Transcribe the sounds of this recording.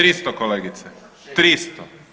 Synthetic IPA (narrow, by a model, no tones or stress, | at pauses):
ɾist̪okoleːɡit̪sɛ | t̪ɾist̪ɔ